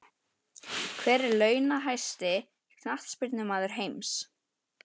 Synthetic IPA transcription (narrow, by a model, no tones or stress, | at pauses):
kʰvɛːɾɛɾlœːɥnaɦajst̪ɪ | kʰnaht̪spɪɾt̪nʏmaːðʏɾ̥ɦeːjms